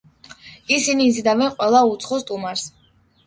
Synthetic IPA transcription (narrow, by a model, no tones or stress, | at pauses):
isiniːzid̪avɛnqʼwɛlˠaut̪sʰχɔst̪ʼumaɾs